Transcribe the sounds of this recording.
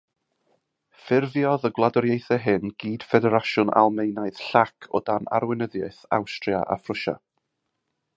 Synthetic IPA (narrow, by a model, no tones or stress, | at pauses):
fɪrvjɔðəɡwlˠadɔɾjejθɛɦɪnɡ̥iːd̥fɛdɛɾaʃʊna̰lˠmejnaɨð̥ɬakʰɔ̰dana̰ɾwɪnəðjaɨθa̰wstrja̰ʔa̰frʊʃa̰